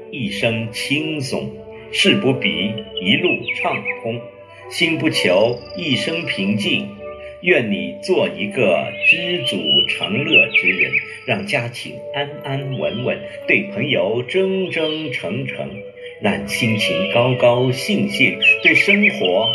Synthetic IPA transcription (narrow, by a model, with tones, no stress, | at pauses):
i˥˩ʂɤ˥ŋt͡ɕʰi˥nsʊ̰˨˩˦ŋ | ʂɻ̩˥˩pu˧˥pḭ˨˩˦i˧˥lu˥˩ʈ͡ʂʰɑ˥˩ŋkʰʊ˥ŋ | ɕi˥npu˥˩t͡ɕʰjo˧˥ʊi˥˩ʂɤ˥ŋpʰi˧˥ŋt͡ɕi˥˩ŋɥɛ˥˩nni˨˩t͡swɔ˥˩i˧˥ɡə˧ʈ͡ʂɻ̩˥t͡sṵ˨˩ʈ͡ʂʰɑ̰˧˥ŋlɤ˥˩ʈ͡ʂɻ̩˥ɻə̰˧˥n | ɻɑ˥˩ŋt͡ɕja˥t͡ɕʰḭ˧˥ŋa˥na˥nwə̰˧˥nwə̰˧˥˦n | t̪we˥˩ɪpʰɤ˧˥ŋjo˧˥ʊʈ͡ʂɤ˥ŋʈ͡ʂɤ˥ŋʈ͡ʂʰɤ˧˥ŋʈ͡ʂʰɤ̰˧˥ŋ | ɻɑ˥˩ŋɕi˥nt͡ɕʰi˧˥ŋkɑ˥ʊkɑ˥ʊɕi˥˧ŋɕi˥˩nt̪we˥˩ɪʂɤ˥ŋxwɔ˧˥